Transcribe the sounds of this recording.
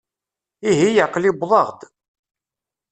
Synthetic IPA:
iɦijaqːlibðˤɑʁd̪

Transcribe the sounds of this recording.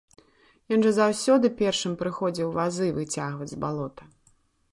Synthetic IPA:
jɔnʐɐzawsʲɔd̪ɨpʲɛrʂɨmpɾɨxɔd͡zʲiwvazɨvɨt͡sʲaɣvɐd͡zʲzbalˠɔt̪ɐ

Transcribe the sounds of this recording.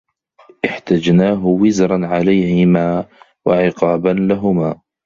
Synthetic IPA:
ʔɪħt̪ad͡ʒnaːɦʊwɪzɾˤɑnʕalajhɪmaː | waʕɪqɑːbanlaɦʊmaː

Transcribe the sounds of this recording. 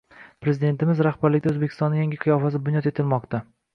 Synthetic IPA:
pɾe̞zɪd̪e̞nt̪ɪmɪzɾahbaɾlɪk̚ʲd̪ɵzbekʰʲɪ̥st̪ɒnːɪjaŋʲɪqʰɨjɒfasɪbʊnjɒt̪e̞t̪ʰɪlmɒqt̪a

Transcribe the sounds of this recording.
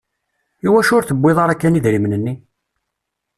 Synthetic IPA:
iwæʃʊɾθəbːɪðˤɑɾækːæniðɾimnənːi

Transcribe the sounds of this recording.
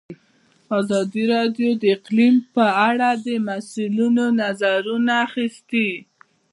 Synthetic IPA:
azɑd̪iɾɑɖjod̪əɪqlimpəaɽad̪əmasulunonazaɾunaːxist̪i

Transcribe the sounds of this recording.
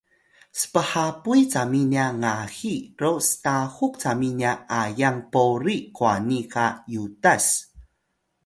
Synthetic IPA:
sə̥pəħapujt͡saminaŋaxiɾostaxuk̚t͡saminjaʔajaŋpoɾikwanikajutas

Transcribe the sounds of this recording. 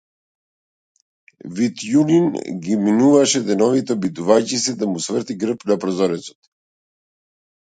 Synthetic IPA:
vit̪juninɡiminuvaʃɛd̪ɛnɔvit̪ɛbid̪uvajcisɛd̪amusvəɾt̪iɡɾəpnapɾɔzɔɾɛsɔ̥t̪

